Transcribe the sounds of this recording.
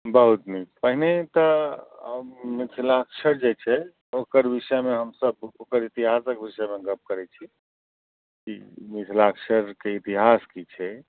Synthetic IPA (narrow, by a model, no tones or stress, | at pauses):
bəɦut̪nikpəɦinet̪ɔ | mit̪ʰlakʃʰəɾd͡ʒet͡ʃʰɛ | okəɾbisəmeɦəmsəbokəɾit̪iɦasəkbisəmeɡəp̚kəɾɛt͡ʃʰi | kimit̪ʰlakʃʰəɾkeit̪iɦaskit͡ʃʰɛ